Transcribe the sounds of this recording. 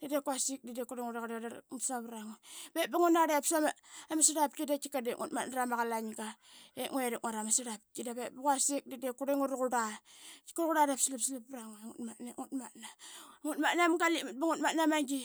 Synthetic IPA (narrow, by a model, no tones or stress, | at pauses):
dadekwasik̚didekuɾeŋuɾaɣaɾdausaβɾaŋbebaŋunaɾepsamaamasiɾap̚kidakikadeŋṵtmatnaɾamaɣalaɲɡaeŋeɾeŋaɾamasiɾap̚kidabebakasik̚didekuɾeŋuɾuɣuɾai̥kuɾɣuɾaɾepsilipsilipɾaŋaŋṵtmatnaŋutmatnaŋutmatnamɡalimut̚baŋutmatnamaŋɡi